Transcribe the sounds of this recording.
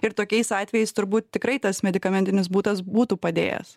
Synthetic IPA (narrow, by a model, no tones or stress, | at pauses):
ɪɾt̪oːkʲɛɪsɑːt̪ʲʋʲɛjɛɪst̪ʊɾbuːt̪̚t̪ʲɪkɾɐɪt̪ɐsmʲɛd̪ʲɪkɐmʲɛnʲt̪ʲɪnʲɪsbuːt̪ɐsbuːt̪uːpɐd̪ʲḛːjɛ̰s